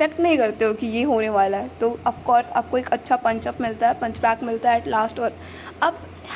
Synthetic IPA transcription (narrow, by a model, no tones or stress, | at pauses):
ɛkʈnɐɦĩkɐɾt̪eɦokijeɦoːneʋaːlaɦɛt̪oːɐfkɔːɾsa̰ːp̚koeːkɐtːʃʰapɐ̃ɲt͡ʃɔpmɪlt̪aɦɛpɐ̃ɲt͡ʃbɛːkmɪlt̪aɦɛːʈlaːsʈɔːɾ | ɐb̚